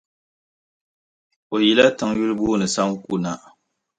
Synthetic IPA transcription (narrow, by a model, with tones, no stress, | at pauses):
o˨ji˨la˦ta˨ŋju˦ɾɨ˦boː˦nɨ˨sa˦ŋ˦ku˦na˨